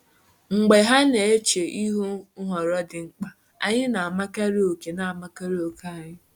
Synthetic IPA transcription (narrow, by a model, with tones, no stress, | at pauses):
ŋ͡m̩˨ɡ͡be˨ɦa˦ne˨e˦t͡ʃe˨ʔi˦ɦu˦ŋ̩˦ɦɔ˨ɾɔ˦dɪ˨ŋ͡m̩˦k͡pa˨ | a̰˨ɲɪ˦na˨a˨ma˦ka˦ɾi˦o˨ke˨na˨a˨ma˦ka˦ɾi˦o˨ka˦a˦˨ɲɪ˦